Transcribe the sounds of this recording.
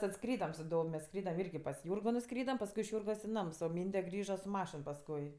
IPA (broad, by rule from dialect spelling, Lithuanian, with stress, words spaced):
ˈtɐt ˈskrʲiːdɐm sʊ ˈdoːw mʲɛs ˈskrʲiːdɐm ˈɪrʲɡʲɪ pɐs ˈjuːrɡoː nʊˈskrʲiːdɐm pɐsˈkʊɪ ɪʃ ˈjuːrɡoːs ɪ ˈnɐms oː ˈmʲiːnʲdʲɛ ˈɡrʲiːʒɐ sʊ ˈmɑːʃʲɪn pɐsˈkʊɪ